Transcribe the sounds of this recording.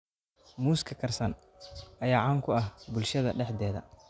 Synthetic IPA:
muːskʰɐkʰɐrsɐn | ɐjaːʕɑːŋkʰʊɐhbʊlʃɐðɐɖɛħd̪ɛːðɐ̰

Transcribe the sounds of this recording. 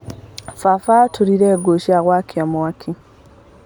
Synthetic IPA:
fafatʰuɾiɾɛːɡoʃiaɣwakʰiamwakʰi

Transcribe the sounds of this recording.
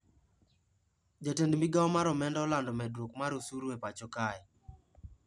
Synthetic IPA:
d͡ʒatendmiɡaɔmaɾɔmɛndɔɔlandɔmɛdɾokmaɾosuɾepat͡ʃɔkaj

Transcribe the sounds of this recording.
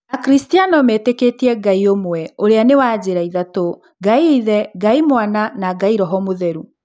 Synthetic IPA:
nakɾistianɔmeteketiɛɡaiomwɛoɾeanewaːd͡ʑeɾaiðato | ɡaiðɛɡaimwananaɡaiɾɔɦɔmoðɛɾu

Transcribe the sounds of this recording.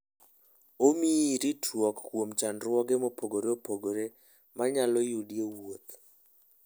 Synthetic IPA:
omiːɾitʰwɔkːwomt͡ʃanɾwɔɡemopoɡoɾeopoɡoɾe | maɲalɔjudiewot̪

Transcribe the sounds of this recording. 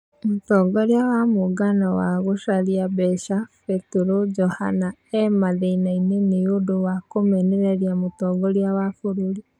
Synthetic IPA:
motɔːɡɔɾeawamoɡanɔwaɣoʃaɾiabɛʃafɛtuɾod͡ʒɔha̰naɛmaðeinaineneodowakomɛneɾɛɾiamotɔːɡɔɾiawafoɾoɾi

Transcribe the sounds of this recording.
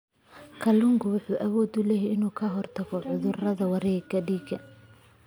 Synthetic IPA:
kʰɐlʊŋkʰʊwʊħuːʔɐwɔːd̪ʊlɛjɛɪnuːkʰɐɦɔrt̪ʰɐɣɔʕʊðʊrɐðɐwɑɾɛːɡɐɖiːɡɐ

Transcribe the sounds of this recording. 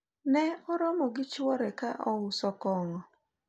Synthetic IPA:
nɛɔɾɔmɔɡɪt͡ʃwɔɾɛkaʔɔwʊsɔkɔŋɔ

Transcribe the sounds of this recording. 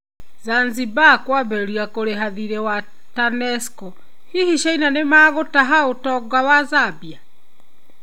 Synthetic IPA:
zanzibakwaβɛɾiakoɾeɦaðiɾɛwa | tanɛskɔ | hihiʃainanemaːɣotaɦaotɔɡwawazabia

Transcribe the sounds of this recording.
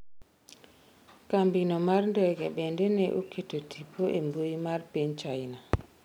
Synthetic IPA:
kambinomarndɔɡɛɓɛndenɛʔukʰetotʰipʰoʔemboimarpiɲt͡ʃaina

